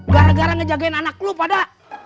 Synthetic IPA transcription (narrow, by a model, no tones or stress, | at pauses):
ɡaɾaɡaɾaŋəd͡ʒaɡaɪnanak̚lupada